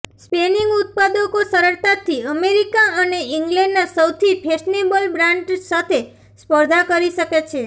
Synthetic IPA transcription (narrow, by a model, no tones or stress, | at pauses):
speniŋɡut̪̚pad̪okosəɾəɭt̪at̪ʰiəmeɾikaəneʔiŋɡlɛ̃ɳɖnasəwt̪ʰipʰeʃnebəlbɾãɳʈsat̪ʰe | spəɾd̪ʱakəɾiʃəket͡ʃʰe